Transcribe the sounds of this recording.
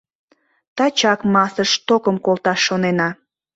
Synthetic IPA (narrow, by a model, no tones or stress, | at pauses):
t̪ɑt͡ɕɑkmɑsəʃt̪okəmkolt̪ɑʃːonenɑ